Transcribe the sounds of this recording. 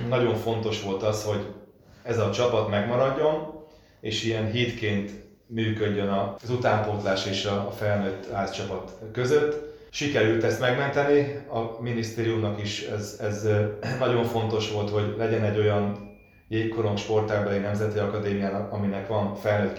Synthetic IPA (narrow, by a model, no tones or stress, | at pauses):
nɒɟo̞ɱfo̞n̪t̪o̞ʃʋo̞lt̪ɒsho̞ɟ | ɛzɒt͡ʃɒpɒt̪mɛɡmɒɾɒɟːo̞n | eːʃijɛnɦiːt̪keːnt̪ | myːkø̞ɟːø̞nɒzut̪aːmpoːt̪laːʃeːʃɒːfɛlnøːt̪ːhaːst͡ʃɒpɒt̪kø̞zøt̪ː | ʃikɛɾylt̪ɛst̪mɛɡmɛnt̪ɛniɒminist̪eːɾijumnɒkiʃɛzɛznɒɟo̞ɱfo̞nt̪o̞ʃʋo̞lt̪ho̞ɟlɛɟɛnɛɟːo̞jɒn | jeːkko̞ɾoŋʃpo̞rt̪aːɡbɛlinɛmzɛt̪iɒkɒd̪eːmijaːnɒkɒminɛkʋɒnfɛlnøːt̪